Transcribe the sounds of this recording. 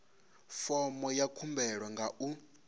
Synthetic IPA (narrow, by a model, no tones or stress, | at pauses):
fɔmɔjakʰumbɛɺwaŋɡaʔu